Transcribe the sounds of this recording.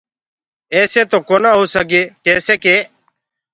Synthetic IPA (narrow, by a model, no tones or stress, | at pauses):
eːseːt̪oːkoːnãːɦoːsəɡeːkeːseːkeː